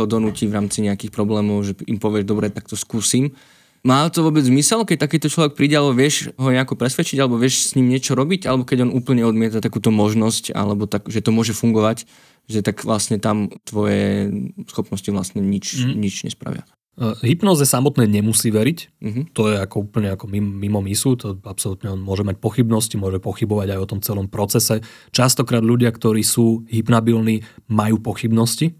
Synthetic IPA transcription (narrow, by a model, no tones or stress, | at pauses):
ɔd̪ɔnuciːʋɾaːmt͡siɲɛakiːxpɾɔblɛːmɔʊʒɛimpɔʋɪɛʒd̪ɔbɾɛt̪ak̚t̪ɔskuːsiːm | maːt̪ɔʋɔbɛd͡zzmisɛlkɛc̚t̪akiːt̪ɔt͡ʃlɔʋɛk̚pɾiːɟɛalɛbɔʋɪɛʃɦɔɲɛakɔpɾɛsʋɛt͡ʃiɟalɛbɔʋɪɛʃsɲimɲɪɛt͡ʃɔɾɔbiɟalɛbɔkɛɟɔnuːpl̩ɲɛɔd̪mɪɛt̪at̪akuːt̪ɔmɔʒnɔsca̰lɛbɔt̪akʒɛt̪ɔmʊɔʒɛfuŋɡɔʋac | ʒɛt̪akʋlasɲɛt̪amt̪ʋɔjɛsxɔpnɔsciʋlasɲɛɲit͡ʃɲit͡ʃɲɛ̰spɾa̰ʋɪa̰ | ɦipnɔːzɛjɛsamɔt̪nɛːɲɛmusiːʋɛɾic̩ɦt̪ɔjɛakɔuːpl̩ɲɛakɔmimmimɔmisut̪ɔapsɔlut̪ɲɛɔnmʊɔʒɛmac̚pɔxibnɔscimʊɔʒɛpɔxibɔʋaɟajɔt̪ɔmt͡sɛlɔmpɾɔt͡sɛsɛ | t͡ʃast̪ɔkɾaːd̪lʎuɟɪakt̪ɔɾiːsuːɦipnabilniːmajuːpɔxibnɔsci